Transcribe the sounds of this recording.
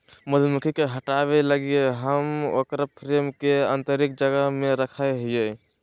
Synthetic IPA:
məd̪ʱmukʰikeɦəʈabeləɡijeɦəmo̰kɾapʰɾemkeənt̪əɾik̚d͡ʒəɡəɦmeɾəkʰaeɦije

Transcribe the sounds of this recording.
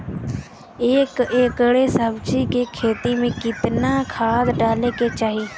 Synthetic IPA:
eːkeːkəɽeːsəbt͡ʃiːkeːkʰeːt̪imẽkɪt̪naːkʰaːd̪ɖaːleket͡ʃaːɦiː

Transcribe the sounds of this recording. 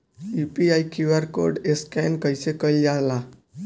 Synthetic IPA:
ipiajkuʋaɾko̰ɾɖeskɛnkəjsekəljala

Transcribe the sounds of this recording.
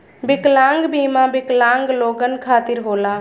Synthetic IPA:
bɪklãːŋɡbiːmãːbɪklaːŋɡloːɡənkʰaːt̪ɪɾɦoːlaː

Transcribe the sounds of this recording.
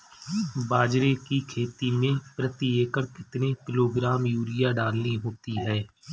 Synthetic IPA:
baːd͡ʒɾekikʰeːt̪imẽpɾət̪ieːkəɾkɪt̪nekɪloːɡɾaːmjuːɾɪjaɖaːlniɦoːt̪iɦɛː

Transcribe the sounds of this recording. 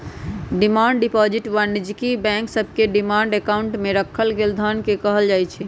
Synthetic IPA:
ɖimaɳɖɖipɔd͡ʒiʈʋanid͡ʒkibɛ̃ŋksəb̚ʱkeɖimãɳɖekauɳʈmẽɾəkʰəlɡeld̪ʱənkekəɦəld͡ʒajt͡ʃʰɛ

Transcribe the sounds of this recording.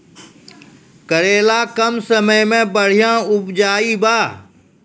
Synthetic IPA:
kɐɾeːlaːkɐmsɐməjmẽbɐɽ̤ijãːʊbd͡ʑaːibaː

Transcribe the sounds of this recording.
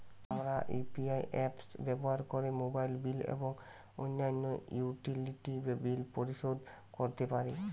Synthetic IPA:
amɾaʔḭpiajʔɛpsbɛbɔɦaɾkɔɾemobajlbilḛbɔŋ | o̰jnːajɔnːɔjuʈiliʈibbilpoɾiʃod̪ | koɾt̪epaɾi

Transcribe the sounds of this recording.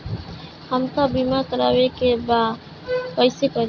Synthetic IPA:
həmkabimakəɾawekeba | pəjsekʌɾ

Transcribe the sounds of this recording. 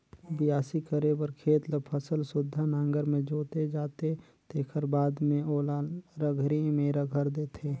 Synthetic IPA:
bɪjaːsikəɾebəɾkʰeːt̪ləpʰəsəlsʊd̪ʱːanãːŋɡəɾmẽd͡ʒoːt̪ed͡ʒaːt̪e | t̪eːkʰəɾbaːd̪mẽoːlaɾəɡʱɾimẽɾaɡʱəɾd̪eːt̪ʰeː

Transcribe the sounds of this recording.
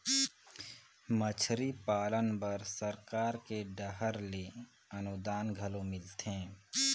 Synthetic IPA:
mət͡ʃʰɾipaːlənbəɾsəɾkaːɾkeɖəɦəɾle | ənʊd̪aːnɡʱəlõmɪlt̪ɦɛ̃ː

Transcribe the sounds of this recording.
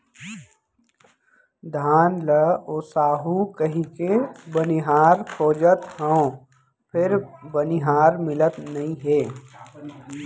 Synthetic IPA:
d̪ʱaːnləoːsaːɦukəɦĩkebənɪɦaːɾkʰoːd͡ʒət̪ɦə̃ | pʰɪɾbənɪɦaːɾmɪlət̪nɐɦĩɦɛː

